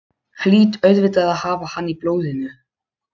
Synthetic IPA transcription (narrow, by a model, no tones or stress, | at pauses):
xliːt̪œɥðvɪt̪aðahaːvahaniploːwðɪnʏ